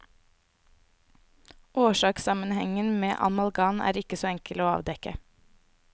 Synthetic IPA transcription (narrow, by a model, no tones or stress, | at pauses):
ʔoːʃɑːksɑmənhɛŋənmḛːʔɑ̰mɑlɡɑːnæ̰ːɾɪkəsoːɛŋkəloːɑ̰ːʋd̪ɛkə